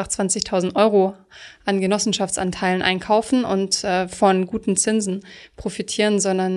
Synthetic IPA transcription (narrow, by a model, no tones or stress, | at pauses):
aχt͡sv̥ant͡sɪçtʰaʊzn̩tʔɔʏʁo | ʔanɡənɔsn̩ʃaft͡sʔa̰ntʰaɪlənʔa̰ɪnkʰaʊfn̩ʔʊ̰ntʔɛːfɔnɡuːtn̩t͡sɪnzn̩pʁ̥ofitʰiːʁənzɔndɐn